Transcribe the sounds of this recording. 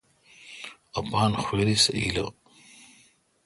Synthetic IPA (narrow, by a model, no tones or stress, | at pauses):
ɐpaːnxweːɾisɐḭlɐ̰